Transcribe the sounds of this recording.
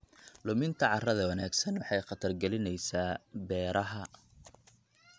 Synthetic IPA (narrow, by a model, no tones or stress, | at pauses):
lʊmɪnt̪ʰɐʕɑrɐðɐwɐnaːɡsɐnwɑħɑjqɑt̪ʰɐrɡɛlɪnɛjsaːbɛːɾɐɦɐ